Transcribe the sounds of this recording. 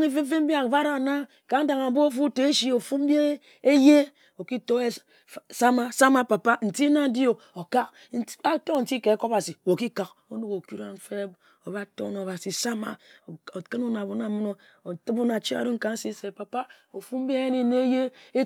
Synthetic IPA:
ŋi˦fe˦fe˦m̩˦bi˦a˨va˦ɾa˨na˦ | ka˨˦n̩˦da˨ŋa˨˦bo˦o˦fu˦te˨˦ʃi˦o˨fu˦m˦be˦ | e˦je˦ | o˨ki˦to˦e˦ | sa˦ma˨sa˦ma˦pa˨pa˦n̩˨ti˦na˦di˦o˨ | o˨ka˦k̚ | a˦to˦˨n̩˨ti˦ke˨˦ko˦ba˨si˨wo˨ki˦ka˨k | o˦no˦ko˨ku˦ɾa˦ɱ̩˦fe˦ | o˨ba˦to̰˦no˨ba˨si˨sa˦ma̰˨o˨kɨ˦nu˦na˨bo˨na˨˦mu˦no˦ | o˨tɨ˦bu˦na˨t͡ʃi˦a̰˨do˦ŋ̩˦ka˨n̩˦si˦se˨pa˨pa˦ | o˨fu˦m̩˦bi˦e˦je˦ni˨ne˦e˦je˦e˦

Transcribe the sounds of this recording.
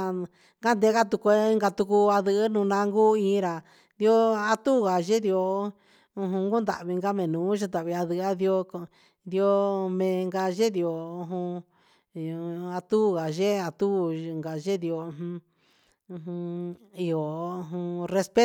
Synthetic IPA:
ŋɡa˦nd̪e˧˦ɣa˦t̪u˧ko˧i˦ŋɡa˧t̪u˧ku˧a˧ðɨ˧˦nũ˧nã˧ŋɡu˦ĩ˧˦˧ɾa˨ | d̪i˧˦o˦a˧t̪u˦˨ɣa˨ʒe˦d̪i˧o˧ | ũ˧ɦũ˧ŋɡu˦nd̪a̰˨βi˧ŋɡa˦mẽ˨nũː˨˦ʒa˧˦t̪a˨βi˧a˧ðɨ˧˦a˦d̪i˧o˧ | d̪i˧o˧mẽ˨˧ŋɡa˧ʒe˦ði˧o˨u˧ɦũ˧˨˧ | a˧t̪u˦˨ɣa˨ʒe˦a˧t̪u˦ŋɡa˨ʒe˦di˧o˧ɦũ˧ | ɦũ˧i˧o˨˧ɦũ˧re˧spe˦

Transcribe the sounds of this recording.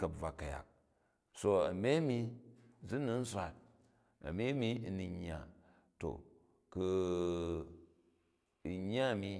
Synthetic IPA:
ka˨b͡va˨kːa˨ja̰˨k̚ | so˨a̰˨me˦mi˦zi˦ni˦n̩˦sʷa˨t̚ | a̰˨me˦mi˦˨ni˨ɲː˨a̰˨ | to̰˨ | ku˨ | i˨ɲ˦a˦˨mi˦

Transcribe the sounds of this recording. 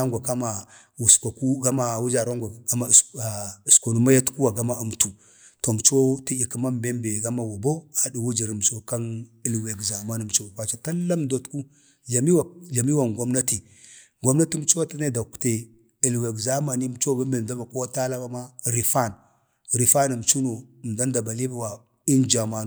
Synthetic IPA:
a˦ŋɡʷa˨ka˦ma˨ | wu˨ska˨ku˦ɡa˦ma˨wu˦d͡ʒa˨ɾa˦ŋɡʷa˨a˦ma˨i˨sko˨nu˨ma˦ja˦tku˦wa˨ɡa˦ma˦u˨mtu˨ | to˨m˨t͡ʃo˦ti˦i˨ki˨˦ma˦mbe˦mbe˨ɡa˦ma˨wo˨bo˦a˨di˨wu˦d͡ʒi˨ɾi˨m˨t͡ʃo˦ka˦ni˦˨lwe˨ɡza˨ma˦ni˨m˨t͡ʃo˦a˨kʷa˨t͡ʃa˨ta˦lːa˦mdo˨tku˦ | a˨mi˦wɮa˨mi˦wa˨ŋɡʷo˦mna˦ti˨ | ɡʷo˦mna˦ti˦m˦t͡ʃo˦wa˦ti˦na˦da˨ku̥˨te˨ | i˨lwe˨ɡza˦ma˨ni˦m˨t͡ʃo˦˨be˦m˦e˨da˦ba˨ko˦ta˦la˦ba˦ma˦ɾi˨fa˦˨n | ɾi˨fa˦ni˨m˨t͡ʃu˦no˨m˨da˦n˦da˨ba˨li˦ba˦wa˨ | i˦nd͡ʒa˨ma˨

